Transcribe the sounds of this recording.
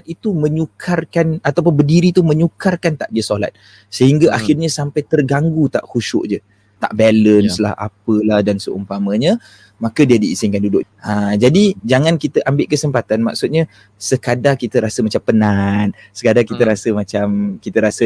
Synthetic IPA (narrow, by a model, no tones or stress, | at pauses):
it̪umə̃ɲukʰarkanat̪awp̬ʊnbədiɾit̪umə̃ɲukarkant̪aʔdiəsola̰t̪̚ | səhiŋɡaʔaxɪrɲəsampajt̪ərɡaŋɡut̪a̰ʔhuʃʊ̰ʔd͡ʒə | t̪a̰ʔbɛlənsla̰hʔa̰pəlahdansəʔumpamə̃ɲə̃ | makədiədiːsɪnkandudʊʔ | ad͡ʒadid͡ʒaŋankit̪əʔambɪʔkəsəmpat̪anma̰ksut̪̚ɲa | səkadakit̪əɾasəmat͡ʃampənan | səkadakit̪əɾasəmat͡ʃamkit̪əɾasə